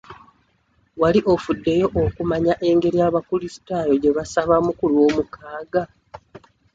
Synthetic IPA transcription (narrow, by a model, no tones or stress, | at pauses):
waliʔo̞fudːe̞jo̞ʔokumaɲaʔe̞ːŋɡe̞ɾijaβakulisi̥tajo̞ɟe̞βasaβamukulwo̞ːmukʰaːɡa